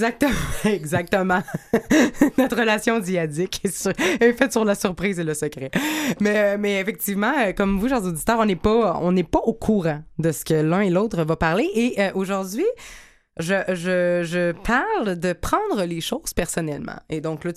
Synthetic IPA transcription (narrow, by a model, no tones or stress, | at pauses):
zak̚t̪əm̃ɛɡzak̚t̪əmɑ̃ | nɔt̪χʁəlasjɔ̃d͡ziad͡z̪ɪkesyʁefɛt̪syʁlasyʁpʁiːzeləsəkʁɛmɛømɛefɛk̚t̪ivmɑ̃økɔmvuʃɛʁzod̪it̪œːʁɔ̃nɛpɔɔ̰̃nɛpaokʰuʁɑ̃d̪əsə̥kəlœ̃eloːt̪χəvapaʁleʔeʔøʔoʒuʁd̪ɥi | ʒəʒəʒəpʰaʁld̪əpχɑ̃d̪ʁəleʃoʊz̥pɛʁsɔnɛlmɑ̰̃ed̪ɔ̃kla